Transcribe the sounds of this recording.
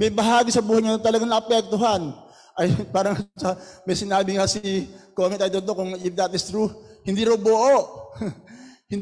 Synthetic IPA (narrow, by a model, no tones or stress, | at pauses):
mɐjbɐɦaːɡisɐbuːhɐjɲanɐt̪ɐlɐɡaŋnɐʔɐpɛk̚t̪oɦan | ʔɐjpaːɾɐŋt͡ʃamɐjsɪnaːbɪŋɐsɪkomɛnt̪ɐjd̪olt̪okʊŋɪfd̪at̪ɪst̪ɾuhɪnd̪iɾɐwboʔoʔ | hɪn